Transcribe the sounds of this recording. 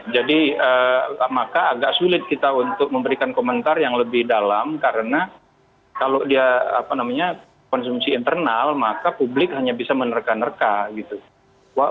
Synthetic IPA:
d͡ʒadiəːmakaːɡaʔsulɪt̪̚kit̪aunt̪ʊk̚məmbəɾikankomənt̪arjaŋləbɪhdalamkaɾəna | kalodiaa̰panamaɲa | kɔnsumsiːnt̪ərnalmakapublɪk̚ɦaɲabisamənərkanərkaɡit̪u | waʔ

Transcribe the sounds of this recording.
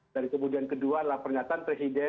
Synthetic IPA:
daɾikəmudiankədualahpərɲat̪aanpɾesidɛ

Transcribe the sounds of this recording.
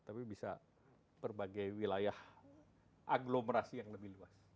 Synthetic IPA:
t̪apibisa̰ | bərbaɡajwilajah | ʔaɡloməɾasijaŋləbihluas

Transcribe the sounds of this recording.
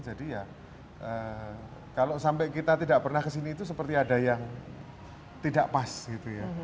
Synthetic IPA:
d͡ʒadija | ʔə | kalosampɛkit̪at̪idaʔpərnahkəsiniːt̪us̬əpərt̪iadajaŋ | t̪idaʔpasɡit̪uja

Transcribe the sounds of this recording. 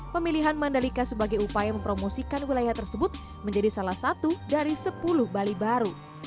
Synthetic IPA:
pəmiliɦanmandalikasəbaɡajupajaməmpɾomosikanwilajaht̪ərsəbʊt̪̚ | məɲd͡ʒadisalahsat̪udaɾisəpulʊhbalibaɾu

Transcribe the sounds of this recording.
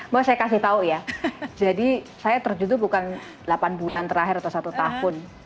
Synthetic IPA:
bawsajakasɪht̪aujad͡ʒadi | sajat̪ərd͡ʒud̪ʊbukan | lapanbulant̪əɾaɦɪɾat̪awsat̪ut̪ahʊn

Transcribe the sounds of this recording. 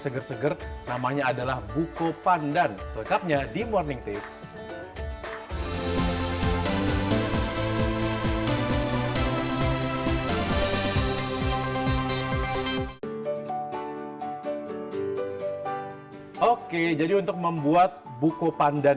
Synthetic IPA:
səɡərsəɡərnamaɲaːdalahbukopandansələŋkap̚ɲadimɔrnɪŋt̪ɪks | oked͡ʒadiunt̪ʊk̚məmbuat̪̚ | bukopanda

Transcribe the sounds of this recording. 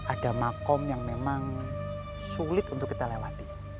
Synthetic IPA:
ʔadamakɔmjaŋmemaŋ | sulɪt̪unt̪ʊkːit̪alewat̪i

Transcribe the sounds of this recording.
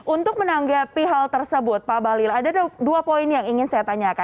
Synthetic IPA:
ʔunt̪ʊk̚mənaŋɡapiɦalt̪ərsəbʊt̪̚pabalilaːdaduapoɪnjaŋiŋɪnsajat̪aɲaka

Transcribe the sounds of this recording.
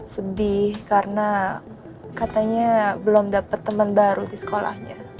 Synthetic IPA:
səbɪhkaɾəna | kat̪aɲabəlomdapət̪ːəmənbaɾudisə̥kola̰hɲa̰

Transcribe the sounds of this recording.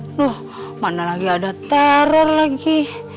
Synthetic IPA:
dɔh | manalaɡiadat̪aɾɔrlaɡi

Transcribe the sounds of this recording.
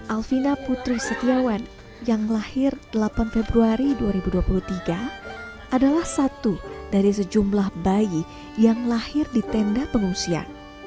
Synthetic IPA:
ʔalfinaput̪ɾusət̪iawan | jaŋlahɪrd̥əlapanfebɾuaɾiduaɾibuduapuluht̪iɡa | ʔadalahsat̪udaɾisəd͡ʒumlahbai | jaŋlahɪrdit̪ɛndapəŋuŋsia̰

